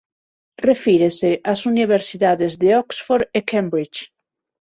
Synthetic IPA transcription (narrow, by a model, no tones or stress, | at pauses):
refiɾeseʔasuniβ̞eɾsiðaðezðeɔksfoɾekembɾit͡ʃ